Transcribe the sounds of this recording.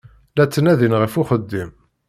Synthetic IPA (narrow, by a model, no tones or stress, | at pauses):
læt͡sːənæðinʁəfʊχəd̪ːim